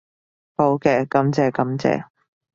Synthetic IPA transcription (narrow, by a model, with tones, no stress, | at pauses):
ho˨˥wkɛː˧kɐ˨˥mt͡sɛː˨˧kɐ˨˥mt͡sɛ̰ː˨˧